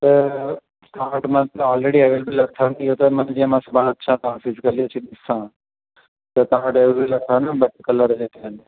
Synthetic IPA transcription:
t̪ɐ | t̪ãːʈmɐ̃nt̪ɐɔːlɾeɽieʋeːlbəlɐt̪ʰant̪iɦot̪ɐmɐnd͡ʑĩmãːsɐbʱaːɽ̃ɐt̪̚t͡ɕʰãt̪ɐʋãfɪzɪkəlit͡ɕʰĩɗɪsã | t̪ɐt̪ɐãʈeʋelbilɐt̪ʰaːnəbɐʈ̚kɐləɾd͡ʑeːkan

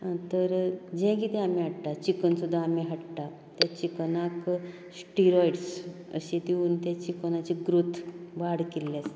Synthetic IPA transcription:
t̪əɾd͡ʑɛ̃kit̪ɛ̃amiɦəʈʈ̪at͡ɕikənsud̪ʱːaːmiɦəʈʈa | t̪jat͡ɕiknãk | sʈiɾɔjɽsə̰ɕid̪iuːnt̪jat͡ɕikənat͡ɕiɡɾut̪ʰʋaɽkilːes

